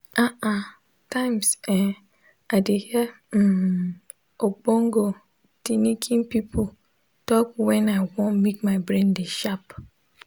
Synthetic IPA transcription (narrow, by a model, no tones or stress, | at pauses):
aʔa | tãɪmsɛ | adehi | ok͡põŋɡo | tinikʰĩnpipʰo | tɔkwɛ̃naɪwɔ̃nmikmaɪbɾẽndeʃap